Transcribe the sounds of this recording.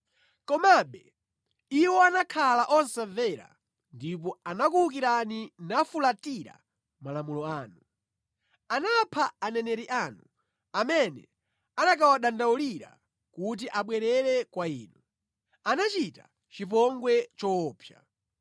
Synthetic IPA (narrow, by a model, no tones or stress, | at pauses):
kɔmaɓɛ | iwɔanakʰalaʔɔnsavɛɾa̰ | ndipɔanakuuk̬iɾaninafulatiɾa̰ | malamulɔaːnu | anapʰaanɛnɛɾiʔaːnu | amɛnɛ̰ | anak̬awaɗandauliɾa̰ | kut̬iʔaɓwɛɾɛɾɛkwaiːnu | anat͡ʃita | t͡ʃip̬ɔŋɡwɛt͡ʃɔːpʰja̰